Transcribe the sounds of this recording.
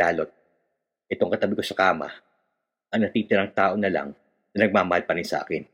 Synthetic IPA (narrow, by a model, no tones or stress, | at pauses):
aːlo̞t̪̚ | ʔɛt̪o̞ŋkɐt̪ɐbɪko̞sɐkaːmɐ̰ | ʔɐŋnɐt̪iːt̪ɪɾɐŋt̪aːʔo̞nɐla̰ŋ | nɐnɐɡ̚maːmɐhalpɐɾɪnsɐʔa̰ːkɪn